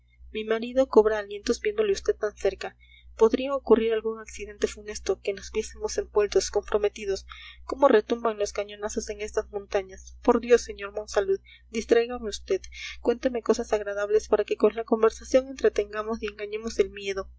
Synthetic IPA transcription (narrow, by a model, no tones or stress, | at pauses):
mimaɾiðo̞ko̞βɾaːlje̞nt̪o̞zbje̞nd̪o̞leust̪e̞d̪̚t̪anse̞ɾka | po̞ðɾiaokuriɾalɣuŋaksiðe̞nt̪e̞fune̞st̪o̞ke̞nozβje̞semo̞se̞mbwe̞lt̪o̞sko̞mpɾʔo̞me̞t̪ið̞o̞sko̞mo̞re̞t̪umbaŋlo̞skaɲo̞naso̞se̞ŋe̞st̪azmõnt̪aɲaspo̞ɾðjo̞sːe̞ɲo̞ɾmo̞nsaluð | d̪ist̪ɾajɣameust̪e̞ðkwe̞nt̪eme̞ko̞sasaɣɾaðaβle̞spaɾake̞ko̞nlako̞mbe̞ɾsasjoŋe̞nt̪ɾe̞t̪e̞ŋɡamo̞sie̞ŋɡaɲe̞mo̞se̞lmje̞ðo̞